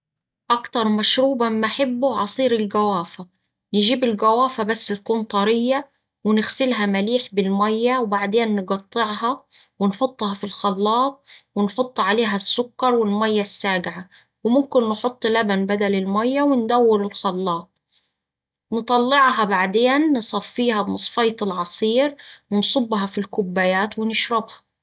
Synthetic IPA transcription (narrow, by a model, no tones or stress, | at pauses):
ʔækt̪ɑɾˤmæʃɾuːbɑmmːaʔaħɪbːʊʕɑsˤiːɾɪlɡæwaːfa | nɪʒiːbɪlɡæwaːfæbasːɪt̪̚kuːnt̪ˤɑɾɪjːa | wɪnɪɣsɪlɦæmæliːħbɪlmæjːæwbaʕd̪eːnːɪɡɑt̪ˤːeʕhɑ | wɪnħot̪ˤːhɑfilxɑlːɑːt̪̚ˤwɪnħot̪ˤːʕaleːɦæsːʊkːɑɾˤwɪlmæjːasːaːɡʕa | wɪmʊmkɪnːħot̪ˤːlabanbad̪ælɪlmæjːawɪnd̪æwːɪlʊlxɑlːɑːt̪̚ˤ | nɨt̪ˤɑlːɪʕɦɑbaʕd̪eːnːsˤɑfːiːhɑbmɑsˤfɑjt̪ˤɪlʕɑsˤiːɾwɪnsˤʊbːɦɑfilkʊbːajaːt̪wɪnɪʃɾɑbhɑ̥